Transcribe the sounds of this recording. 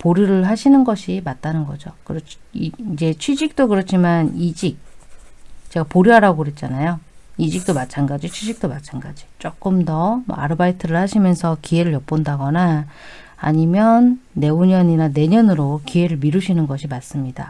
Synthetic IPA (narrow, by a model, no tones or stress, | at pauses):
poɾiɾɯɭɦaɕʰinɯnɡʌɕʰimat̚t͈anɯnɡʌd͡ʑokɯɾʌiid͡ʑe̞t͡ɕʰɥid͡ʑik̚t͈okɯɾʌt͡ɕʰimanid͡ʑik̚ | t͡ɕe̞ɡapoɾjuɦaɾaɡoɦet̚t͡ɕ͈anajoid͡ʑik̚t͈omat͡ɕʰanɡad͡ʑit͡ɕʰwid͡ʑik̚t͈omat͡ɕʰanɡad͡ʑi̥t͡ɕ͈ok͈ɯmdʌmʌ̰a̰ɾɯbaitʰɯɾɯɭhaɕʰimjʌnsʰʌkie̞ɾɯɭjʌp̚p͈ondaɡʌnaː | ɲimjʌnːe̞uɲʌɲinane̞ɲʌnɯɾokie̞ɾɯɭmiɾɯɕʰinɯnɡʌɕʰimas͈ɯmɲida̰